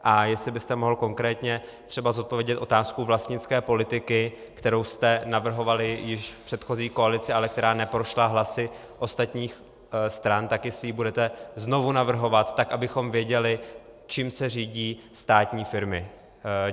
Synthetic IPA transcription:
ʔajɛslɪbɪst̪ɛmo̞ɦl̩ko̞ŋkɾɛːt̪ɲɛt̪r̥ɛbazo̞t̪̚po̞vjɛɟɛt̪ʔo̞t̪aːskuvlast̪ɲɪt͡skɛːpo̞lɪt̪ɪkɪ | kt̪ɛɾo̞wst̪ɛnavr̩ɦo̞valɪjɪʃfpr̥ɛt̪xo̞ziːko̞alɪt͡sɪalɛk̚t̪ɛɾaːnɛpɾo̞ʃlaɦlasɪ | ʔo̞st̪at̪ɲiːx | st̪ɾant̪akjɛsɪjibudɛt̪ɛzno̞vunavr̩ɦo̞vat̪ːakʔabɪxo̞mvjɛɟɛlɪ | t͡ʃiːmsɛriːɟiːst̪aːt̪ɲiːfɪɾmɪ

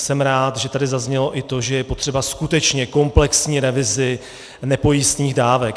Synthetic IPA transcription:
sɛmɾaːt̪ʒɛt̪adɪzazɲɛlo̞ʔɪt̪o̞ʒɛjɛpo̞t̪r̝̥ɛbaskut̪ɛt͡ʃɲɛko̞mplɛksɲiːɾɛvɪzɪ | nɛpo̞jist̪ɲiːɣdaːvɛk

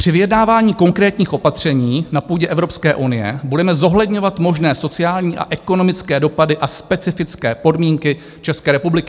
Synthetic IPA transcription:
pr̥ɪvɪjɛdnaːvaːɲiːko̞ŋkɾɛːt̪ɲiːxʔopat̪r̝̥ɛɲiːnapuːɟɛʔɛvɾo̞pskɛːʔunɪjɛ̰budɛmɛzo̞ɦlɛdɲovat̪mo̞ʒnɛːso̞t͡sɪjaːlɲiːʔa̰ʔɛko̞no̞mɪt͡skɛːdo̞padɪʔaspɛt͡sɪfɪt͡skɛːpo̞dmiːŋkɪ | t͡ʃɛskɛːɾɛpublɪkɪ̥

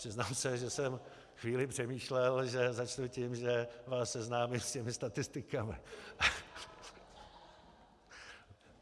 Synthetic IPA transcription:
pr̥ɪznaːmsɛʒɛsɛm | xviːlɪpr̝̥ɛmiːʃlɛlʒɛzat͡ʃnucɪmʒɛvaːsːɛznaːmɪlscɛmɪst̪at̪ɪst̪ɪkamɪ̰a

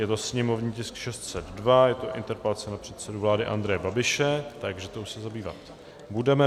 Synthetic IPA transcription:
jɛt̪o̞sɲɛmo̞vɲiːcɪskʃɛst̪sɛd̪dvajɛt̪oʔɪ̰nt̪ɛɾpɛlat͡sɛnapr̥ɛt̪sɛduvlaːdɪʔa̰nd̪ɾɛjɛbabɪʃɛt̪aɡʒɛt̪owsɛzabiːva̰t̪ | budɛmɛ

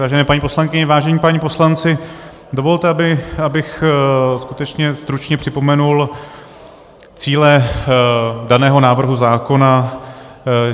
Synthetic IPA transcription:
aːʒɛnɛːpaɲiːpo̞slaŋkɪɲɛvaːʒɛɲiːpaɲiːpo̞slant͡sɪ | do̞vo̞lt̪ɛabɪabɪxskut̪ɛt͡ʃɲɛst̪ɾut͡ʃɲɛpr̝̥ɪpo̞mɛnul | t͡siːlɛ | danɛːɦo̞naːvr̩ɦuzaːko̞na

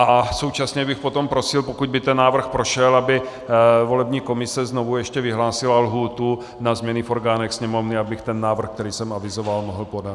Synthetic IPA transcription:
ʔaso̞wt͡ʃasɲɛbɪxpot̪ompɾosɪlpokuɟ̚bɪt̪ɛnːaːvr̩xpɾoʃɛlabɪ | vo̞lɛbɲiːko̞mɪsɛznovujɛʃcɛvɪɦlaːsɪlalɦuːt̪u | nazmɲɛnɪfoɾɡaːnɛxsɲɛmovnɪabɪxt̪ɛnːaːvr̩xk̚t̪ɛɾiːsɛmavɪzovalmoɦl̩poda

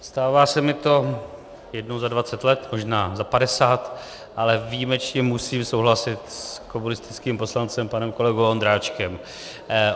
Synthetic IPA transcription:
st̪aːvaːsɛmɪt̪o̞ | jɛdnowzadvat͡sɛt̪lɛt̪mo̞ʒnaːzapadɛsaːt̪ | ʔalɛvijmɛt͡ʃɲɛmusiːmsowɦlasɪt̪skomunɪst̪ɪ̥t͡skiːmpo̞slant͡sɛmpanɛmko̞lɛɡowond̪ɾaːt͡ʃkɛm

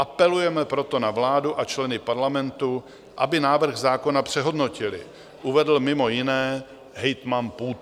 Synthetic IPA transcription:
ʔapɛlujɛmɛpɾo̞t̪o̞navlaːduʔat͡ʃlɛnɪpaɾlamɛnt̪u | ʔa̰bɪnaːvr̩ɣzaːko̞napr̝̥ɛɦo̞dno̞cɪlɪ̰ | ʔuvɛdl̩mɪmo̞jɪnɛː | ɦɛjt̪manpuːt̪

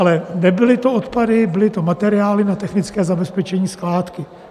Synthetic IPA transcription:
alɛnɛbɪlɪt̪oot̪padɪbɪlɪt̪o̞mat̪ɛɾɪaːlɪnat̪ɛxnɪt͡skɛːzabɛspɛt͡ʃɛɲiːsklaːt̪kɪ

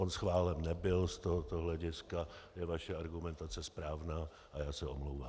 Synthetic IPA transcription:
onsxvaːlɛmnɛbɪlst̪oɦot̪oɦlɛɟɪskajɛvaʃɛaɾɡumɛnt̪at͡sɛspɾaːvnaː | ʔajaːsɛʔomlowvaː

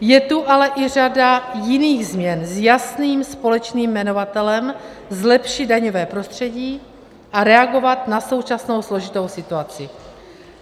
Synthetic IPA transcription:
jɛt̪uʔalɛʔɪr̝adajɪniːɣzmɲɛnzjasniːmspo̞lɛt͡ʃniːmːɛno̞vat̪ɛlɛm | zlɛpʃɪd̪̚daɲo̞vɛːpɾo̞st̪r̝̥ɛɟiː | ʔaɾɛaɡo̞vat̪naso̞wt͡ʃasno̞wslo̞ʒɪt̪o̞wsɪt̪uat͡sɪ

